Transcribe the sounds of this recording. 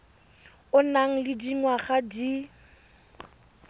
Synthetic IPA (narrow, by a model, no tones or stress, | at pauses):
ʊnaŋ̩lɪdiŋwaχadi